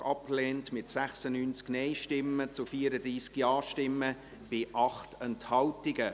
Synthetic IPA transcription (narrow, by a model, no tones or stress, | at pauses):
ɑp̚kleːntmɪtsæχsənyːnt͡sknɛɪʃtɪmːət͡sʊfiːəɾədɾiːskjɑːʃtɪmːə | b̥ɪʔɑχtʰɛnthɑltɪɡ̥ə